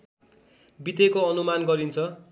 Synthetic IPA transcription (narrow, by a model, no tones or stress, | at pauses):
bit̪ekoʌnumanɡʌɾint͡sʰʌ